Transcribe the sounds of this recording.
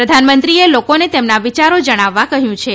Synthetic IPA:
ɾəd̪ʱanmənt̪ɾielokonet̪emnaʋit͡ʃaɾod͡ʒəɽ̃aʋːakəɦjũt͡ʃʰe

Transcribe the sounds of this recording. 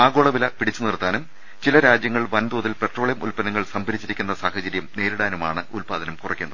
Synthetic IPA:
aːɡo̞ːɭɐʋilɐpiɽit͡ɕːunirt̪ːaːnum | t͡ɕilɐɾaːd͡ʑjɐŋːɐɭʋɐnd̪uːðilpe̞ʈro̞ːɭjɐmulpɐnːɐŋːɐɭsɐmbɐɾit͡ɕːiɾikʲːunːɐsaːhɐd͡ʑɐɾjɐmne̞ːɾuɽaːnumaːɳɨulpaːd̪ɐnɐmkurɐ̰kʲːunːɐðɨ

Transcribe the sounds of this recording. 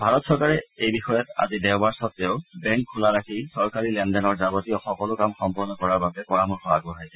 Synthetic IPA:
bʱaɹɔtsɔɹkaɹɛejbixɔjɔta̰zidɛʊbaɹsɔtːɛʊbɛŋkʰːulaɹakʰisɔɹkaɹilɛndɛnɔɹzabɔtiɔxɔkɔlʊkamxɔmpɔɹnɔkɔɹaɹbabɛpɔɹamuxɔa̰ɡɔɦajsɛ

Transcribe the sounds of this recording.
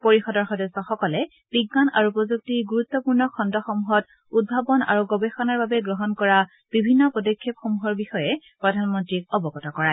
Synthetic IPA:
poɹixɔdɔɹxɔdɔsɔxɔkɔlɛ | b̥iɡɡana̰ɹupɔzuk̚tiɡuɹut̪ːɔpuɹnɔkʰɔndɔxɔmuɦɔt | ud̚bʱabɔna̰ɹuɡɔbexɔnaɹbabɛɡɹɔɦɔnkɔɹa | b̥ibʱinːɔpɔdɔkʰːep̚xɔmuɦɔɹbixɔjɛ | pɹɔdʱanmɔntɹik̚ɔbɔkɔtɔkɔɹa

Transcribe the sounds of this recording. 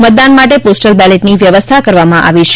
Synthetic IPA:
mət̪̚d̪anmaʈeposʈəlbɛleʈniʋjəʋəst̪ʰakəɾʋamãʔa̰ʋiʃʰ

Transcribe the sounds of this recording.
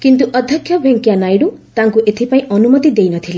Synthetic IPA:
kint̪uʔɔd̪ʱjɔkʰːjɔbʱeŋkjanajɽut̪ãŋkuʔet̪ʰipaĩʔɔnumɔt̪id̪ejnʌt̪ʰile

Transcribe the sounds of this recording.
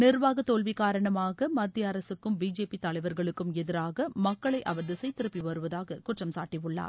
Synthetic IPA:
nɪɾʋaːɣɐt̪ːoːlʋikaːɾɐɳɐmaːɣɐmɐd̪ːjɐɐɾɐsɯkːɯmbiːd͡ʒeːpit̪ɐɭɐɪʋɐɾɣɐɭɯkːɯmɛðɪɾaːɣɐmɐkːɐɭɐɪʔɐʋɐɾðɪsɐɪt̪ːɪɾɯpːiʋɐɾɯʋɐðaːɣɐkʊʈrɐmsaːʈːiʋɯɭːa̰ːɾ

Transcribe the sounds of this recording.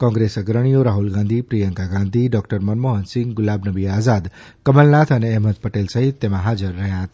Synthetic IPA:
kɔ̃ŋɡɾesəɡɾəɽ̃ijoɾaɦulɡãnd̪ʱipɾijəŋkaɡãnd̪ʱiɖɔkʈəɾmənmoɦənsɪ̃ŋɡɡʊlabnəbiazad̪ | kəməlnat̪ʰəneɛɦmət̪̚pəʈelsəɦit̪ːemãɦad͡ʒəɾːəɦjãɦət̪a

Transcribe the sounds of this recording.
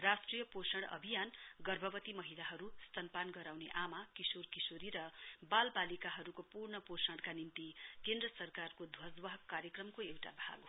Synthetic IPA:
rasʈrijʌposʌɽʌ̰bʱijanɡʌrbʱʌbʌt̪imʌɦilaɦʌɾust̪ʌnpanɡʌɾawneʔamakisorkisoɾiɾʌbalbalikaɦʌɾukopurɳʌposʌɽkanimt̪ikend̪rʌsʌrkarkod̪ʱwʌsd̪wʌɦʌkːaɾjʌkrʌmkoewʈa̰bʱa̰ɡ

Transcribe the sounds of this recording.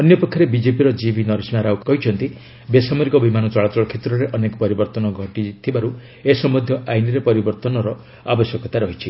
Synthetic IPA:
ɔnjɔpɔkʰːaɾebid͡ʒepiɾɔd͡ʒibʱinɔɾisnaɾawkɔɦit͡ʃʰɔnt̪i | besamɔɾikɔbimanɔt͡ʃɔɭat̪ɔɭɔkʰet̪ɾɔɾeʔɔnekɔ̥pɔɾibɔɾt̪ɔnɔɡʱɔʈit̪ʰibaɾu | esɔmɔd̪ʱjɔʔajniɾepɔɾibɔɾt̪ɔnɔɾɔ | abɔsjɔkɔt̪aɾɔɦit͡ʃʰi

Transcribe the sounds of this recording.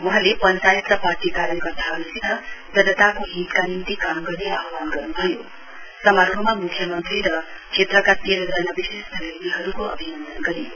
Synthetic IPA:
mɔɦalepʌnt͡ʃajit̪ɾʌpaɾʈikaɾjɐkʌɾt̪ʰaɦəɾusit̪ʌd͡ʒʌnət̪akoɦit̪kanimt̪ikamɡʌɾneaɦwanɡʌɾnubʱʌju | sʌmaɾʰumamukʰːjʌmʌnt̪ɾiɾʌ | kʂʰet̪ɾəkateɾd̪ɾʌjnabisest̪ʰəlet̪iɦʌɾukoɐ̰bʱinʌnd̪ənɡʌɾio

